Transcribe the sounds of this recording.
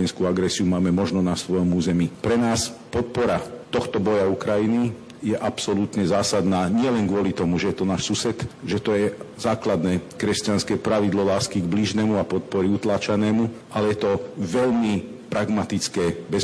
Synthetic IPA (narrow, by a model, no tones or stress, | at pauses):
ɛnskuaɡɾɛsiumaːmɛmɔʒnɔnasʋɔjɔmuːzɛmipɾɛnaːspɔt̪̚pɔɾat̪ɔxt̪ɔbɔjaukɾajini | jɛʔapsɔlut̪ɲɛzaːsad̪naːɲɪɛlɛŋɡʋʊɔlit̪ɔmuʒɛjɛt̪ɔnaːʃsusɛt̪ʒɛt̪ɔjɛz̥aːklad̪nɛːkɾɛscanskɛːpɾaʋid̪lɔlaːskiɡbliʒnɛmuapɔt̪̚pɔɾiut̪laːt͡ʃanɛːmuʔalɛjɛt̪ɔʋɛʎmi | pɾaɡmat̪it͡skɛːbɛ